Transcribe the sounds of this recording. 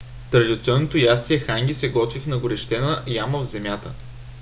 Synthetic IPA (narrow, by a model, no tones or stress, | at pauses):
t̪ɾɐd̪ʲit̪siɔnːot̪ojast̪iɛxaŋɡʲisɛɡɔt̪vifnɐɡʊɾɛʃt̪ɛnəjaməvzɛmjat̪ə